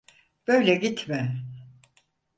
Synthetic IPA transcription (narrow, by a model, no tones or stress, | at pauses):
b̥ø̞jlʲɛɟit̪ʰmɪ